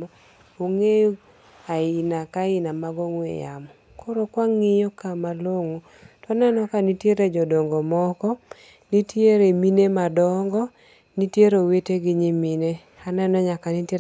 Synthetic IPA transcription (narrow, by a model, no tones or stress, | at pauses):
ɔ | oŋejo | aɪnakaɪnamaɡɔŋwḛja̰mɔ | koɾokwaŋːɪjɔkamaloŋo | toanɛnɔkanitjeɾed͡ʒɔdɔŋɡɔmɔkɔ | nitjeɾeminemadɔŋɡɔ | nitjeɾoweteɡɪɲimine | anɛnɔɲakanite